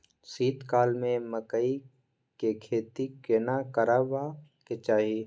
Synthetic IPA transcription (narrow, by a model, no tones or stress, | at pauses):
siːt̪kaːlmẽməkəi | kekʰeːt̪ikenakəɾabaket͡ʃaːɦi